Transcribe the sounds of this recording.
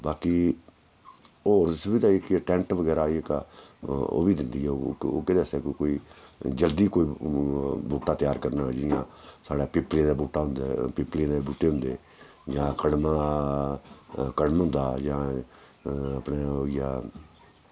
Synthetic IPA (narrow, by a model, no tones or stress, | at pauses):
baːkiː | oːɾɪsbiːd̪aːikiəʈɛ̃ːɳʈʋəɡɛːɾaːiekaː | o̰ːbiːd̪ɪnd̪iːɛːooːkɪd̪eseːkːkoːiːd͡ʒəld̪iːkoːiː | buːʈːaːt̪jaːɾkəɾnaːd͡ʒɪjãːsaːɽaːpɪplẽːd̪aːbuːʈːaːɦʊ̃nd̪apɪplẽːd̪ebuːʈːeːɦʊ̃nd̪eː | d͡ʒãːkəɽmã | kəɽmɦʊ̃nd̪aːd͡ʒãː | əpneːoːija̰ː